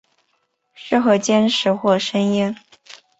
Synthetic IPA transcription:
ʂɻ̩˥˩xɤ˧˥t͡ɕjɛ˥nʂɻ̩˧˥xwɔ˥˩ʂə˥njɛ˥n

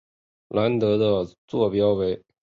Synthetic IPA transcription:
la˧˥nt̪ɤ˧˥d̪ə˧t͡swɔ˥˩pjɑ˥ʊwe˧˥ɪ

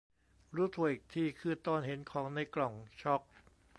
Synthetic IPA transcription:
ɾuː˦˥t̪ʰu˨˩˦ʔi˨˩k̚t̪ʰiː˧˩kʰɯː˧˩t̪ɔː˧˩nhe˩˦nkʰɔː˩˦ŋna˧˩jklɔ˨˩ŋt͡ɕʰɔ˦˥k̚

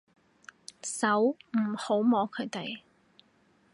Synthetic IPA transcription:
sɐ˨˥wm̩˨˩ho˨˥wmɔː˨˥kʰɵ˨˧ɥt̪e˨j

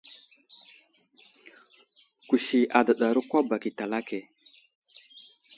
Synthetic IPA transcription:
ku˨ʃi˨a˨da˨ɗa˨ɾu˦kʷa˦ba˨ki˨ta˨la˦ke˨

